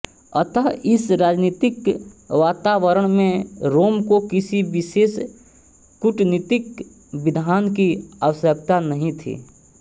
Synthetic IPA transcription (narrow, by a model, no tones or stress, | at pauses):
ə̰t̪əɦɪsɾaːd͡ʒniːt̪ɪkʋaːt̪aʋəɾəɽ̃mẽɾoːmkokɪsiʋɪʃeːs | kʊʈniːt̪ɪk | ʋɪd̪ʱaːnkiaʋəsjək̚t̪anəɦĩt̪ʰḭː